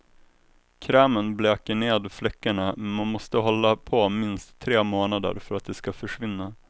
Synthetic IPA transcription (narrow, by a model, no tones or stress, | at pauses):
kʰɾɛːmənbleːkəɳeːd̪flɛkːəɳamɛmanmɔst̪əɦɔlːapʰɔmɪnst̪ʰːɾeːmoːnad̪ə̰ɾfœɾat̪̚d̪ɛskafœʂvɪnːa